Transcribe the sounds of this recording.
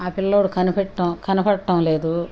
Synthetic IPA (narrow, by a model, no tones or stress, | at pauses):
aːpilːoːɽukʰɐnupɛʈːɐkɐnɐpɐɽʈːɐmle̞ːd̪u